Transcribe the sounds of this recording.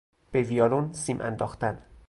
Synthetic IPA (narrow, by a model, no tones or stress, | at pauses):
b̥eviɒːlonsiːmʔæ̰nd̪ɒːxt̪æn